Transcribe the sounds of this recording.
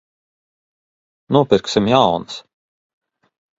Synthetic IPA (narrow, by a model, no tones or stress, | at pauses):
nuɔpiɾksimjawns